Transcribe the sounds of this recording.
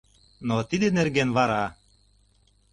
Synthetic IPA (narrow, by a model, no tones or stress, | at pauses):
not̪id̪enerɡenβɑɾɑ